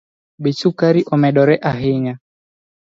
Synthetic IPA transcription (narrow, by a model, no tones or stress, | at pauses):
bit͡ʃukaɾiʔɔmɛɗɔɾɛʔaɦiɲa